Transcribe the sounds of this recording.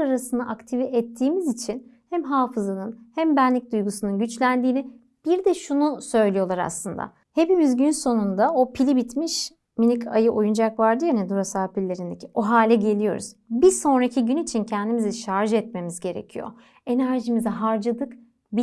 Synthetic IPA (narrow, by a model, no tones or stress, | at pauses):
aɾasɯnaʔakt̪ʰiviʔɛt̪ʰːiːmizit͡ʃʰin | hæmɦaːfɯzanɯnhæmbænlʲic̚d̪ujɡusunɯnɟyt͡ʃlʲænd̪iːni | b̥iɾd̪ɛʃunusø̞jlʲijo̞lˠaɾa̰slˠɯnd̪a̰ | he̞pimizɟynso̞nund̪ao̞pʰilʲibit̪miʃ | minʲicʰa̰jɯʔo̞jund͡ʒakvaɾd̪ɯjanɛd̪uɾasaːpilʲːe̞ɾind̪e̞cʰio̞ɦaːlʲɛɟe̞lʲijo̞̰ɾṵz̥biso̞nɾacʰiɟynit͡ʃʰincʰɛnd̪imiziʃaɾʒɯɛt̪̚me̞mizɟe̞ɾḛcʰijo̞̰ | e̞næɾʒimizɛɦaɾd͡ʒad̪ɯk | bi